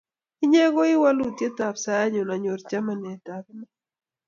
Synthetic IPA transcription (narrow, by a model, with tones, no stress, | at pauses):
ɪ˦ɲɛ˦ɡɔ˦ɪ˦wa˦lu˦t̪je˦ta˨psa˦ja˦ɲo˨na˨ɲo˨ɾt͡ʃa˦ma˨nɛ˨ta˨kna˦